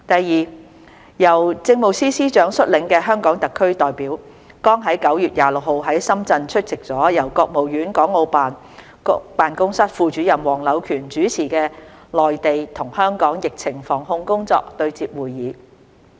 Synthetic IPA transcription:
t̪ɐ˨jːiː˨ | jɐ˨˩wt͡sɪ˧ŋmo˨˩wsiː˥siː˥t͡ʃœː˨˥ŋsɵ˥t̚lɪ˨˧ŋkɛː˧ɦœː˥ŋkɔː˨˥ŋt̪ɐ˨kʰːɵ˥ɥt̪ɔː˨jpiː˨˥w | kɔː˥ŋɦɐ˨˥jkɐ˨˥wjyː˨t̚jaː˨lʊ˨k̚ho˨wɦɐ˨˥jsɐ˥mt͡sɐ˧nt͡ʃʰɵ˥t̚t͡sɪ˨k̚t͡sɔː˨˥jɐ˨˩wkɔː˧k̚mo˨wjyː˨˥nkɔː˨˥ŋo˧wpaː˨n | paː˨nkʊ˥ŋsɐ˥t̚fuː˨t͡ʃyː˨˥jɐ˨˩mwɔː˨˩ŋlɐ˨˧wkʰyː˨˩nt͡ʃyː˨˥t͡sʰiː˨˩kɛː˧lɔː˨jt̪e˨jt̪ʰʊ˨˩ŋhœː˥ŋkɔː˨˥ŋjɪ˨k̚t͡sʰɪ˨˩ŋfɔː˨˩ŋɦhʊ˧ŋkʊ˥ŋt͡sɔ̰ː˧k̚t̪ɵ˧ɥt͡siː˧p̚wuː˨jːiː˨˧˥

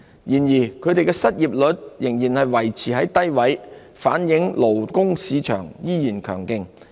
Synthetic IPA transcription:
jiː˨˩njiː˨˩kʰɵ˨˧ɥt̪e˨jkɛː˧sɐ˥t̚jiː˨p̚lɵ˨˧t̚jɪ˨˩ŋjiː˨˩nhɐ˨jwɐ˨˩jt͡sʰiː˨˩hɐ˨˥jt̪ɐ˥jwɐ˨˥j | faː˨˥njɪ˨˥ŋlo˨˩wkʊ˥ŋsiː˨˧t͡ʃʰœ̰ː˨˩ŋjiː˥jiː˨˩nkʰœː˨˩ŋkɪ˨ŋ

